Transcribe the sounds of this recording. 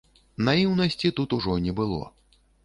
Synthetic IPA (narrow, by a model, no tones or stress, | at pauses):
najiwnɐsʲt͡sʲit̪ut̪uʐɔnʲɛbɨlˠɔ̰